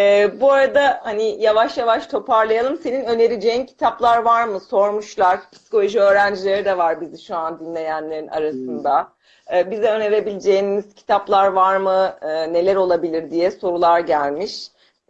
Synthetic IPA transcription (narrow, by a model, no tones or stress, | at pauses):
ɛːbuaɾad̪ahanijavaʃjavaʃt̪ʰo̞pʰaɾlˠajalˠɯmse̞ninø̞ne̞ɾid͡ʒe̞jincʰi̥t̪ʰaplˠaɾvaɾmɯso̞ɾmuʃlˠaɾpʰi̥si̥kolʲˠo̞ʒiø̞ːɾænd͡ʒilʲe̞ɾid̪ɛvaɾbiziʃuand̪inlʲe̞jænlʲe̞ɾinʔa̰ɾasɯnd̪aː | bizɛø̞ne̞ɾe̞bilʲid͡ʒe̞jimiz̥cʰi̥t̪ʰaplˠaɾvaɾmɯːne̞lʲæɾo̞lˠabilʲiɾd̪ijɛso̞ɾulˠaɾɟælʲmiʃ